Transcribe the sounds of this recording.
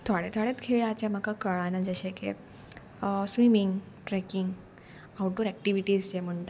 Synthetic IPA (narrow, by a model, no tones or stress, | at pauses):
t̪ʰaɽet̪ʰaɽet̪kʰeɭat͡ɕjam̤akakəɭanad͡ʑəɕekḛ | sʋimiŋɡ | ʈɾɛkiŋɡ | awʈoɾɛk̚ʈiʋiʈiːzd͡ʑem̤əɳt̪